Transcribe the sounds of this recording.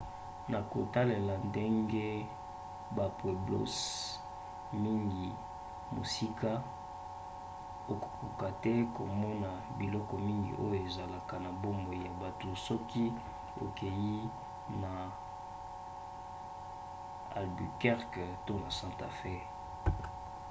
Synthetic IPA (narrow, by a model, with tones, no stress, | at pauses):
na˨ko˨ta˦le˨la˨nde˦ŋɡe˦ | ba˨pwe˨blo̰˦s | mi˦ŋɡi˨ | mo̰˨si˦ka˦ | o˨ku̥˨ku˨ka˨tɛ˦ko˨mɔ˦na˨ | bi˨lɔ˦kɔ˨mi˦ŋɡḭ˨ʔo̰˦jo˨e˨za˨la˨ka˨na˨bo˦mo˨ja˨ba˨to˨sɔ˦ki˦ | o̰˨ke˨ji˦ | na˨ | a̰˨lby˨kɛ˦ʁkto˦na˨sã˦ta˨fe˦